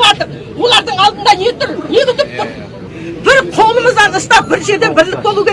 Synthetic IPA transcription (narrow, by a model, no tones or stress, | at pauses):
ɑt̪əq | wo̞lˠɑɾd̪əɴɑlˠd̪ənd̪ɑnet̪ʏɾnekʲɪt̪ɪp̚t̪ʊɾ | bɪɾqʰo̞mˠəməzɑɾʁəst̪ɑp̚bɪɾʒe̞ɾd̪e̞nbɪɾɪlɪp̚bo̞lˠukʲe